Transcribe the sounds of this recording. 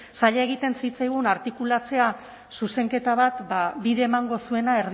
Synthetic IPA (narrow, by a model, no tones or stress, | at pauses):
saʎae̞ɣit̪e̞nsit͡sajɣ̞unaɾt̪ikulat͡se̞a | suse̞ŋke̞t̪aβ̞at̪babiðeːmaŋɡo̞sue̞nae̞ɾð